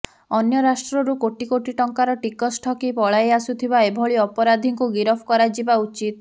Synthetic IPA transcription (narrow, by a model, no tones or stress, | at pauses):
ɔnjɔɾasʈɾɔɾukoʈikoʈiʈɔŋkaɾɔʈikɔsʈʰɔkipɔɭajasut̪ʰibaebʱɔɭiɔpɔɾad̪ʱiŋkuɡiɾɔpʰkɔɾad͡ʒibaut͡ʃit̪